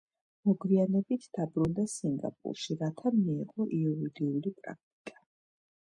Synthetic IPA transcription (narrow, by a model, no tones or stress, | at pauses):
mɔɡwianɛbit̪ʰd̪̥abɾund̪asiŋɡa̰pʼṵɾʃiɾat̪ʰamiːqʼɔʔiɔvid̪iulipʼɾa̰k̚ʰt̪ʼi̥kʼḁ